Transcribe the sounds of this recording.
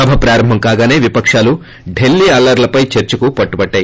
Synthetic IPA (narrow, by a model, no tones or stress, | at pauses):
ɐbʱɐpɾaːɾɐmbʱɐŋkaːɡaːne̞ːʋipɐkʂaːlu | ɖe̞lːiːɐːlɐɾlɐpɐjt͡ʃeɾt͡ʃukupɐʈːubɐʈːaːji